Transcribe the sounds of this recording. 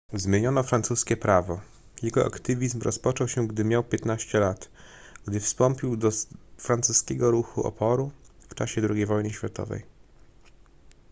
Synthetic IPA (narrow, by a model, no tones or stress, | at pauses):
zmʲjeɲɔnɔfɾant̪suskʲɛpɾavɔ | jɛɡɔʔa̰kt̪ɘvʲizmɾɔ̰spɔt͡ʂɔwɕɛɡd̪ɘmʲjawpʲjɛt̪naɕt͡ɕɛlat̪ | ɡ̥d̪ɘfst̪ɔmpʲiwd̪ɔfɾant̪suskʲɛɡɔɾuxuʔɔ̰pɔɾuft͡ʂaɕɛd̪ɾuɡʲejvɔjnɘɕfʲjat̪ɔ̰vɛ̰j